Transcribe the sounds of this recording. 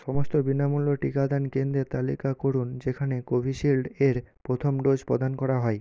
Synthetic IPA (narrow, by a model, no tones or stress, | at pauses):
ʃɔmost̪obinamulːoʈikad̪ankend̪ɾet̪alikakoɾund͡ʑekʰanekobʱiʃilɖeɾpɾot̪ʰomɖod͡ʑpɾo̰d̪ankɔɾaɦɔe